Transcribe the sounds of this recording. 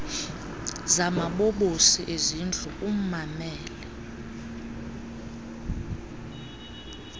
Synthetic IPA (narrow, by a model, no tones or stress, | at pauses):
zamaɓoɓosiʔezind͡ɮʱuʔum̩mamɛːlɛ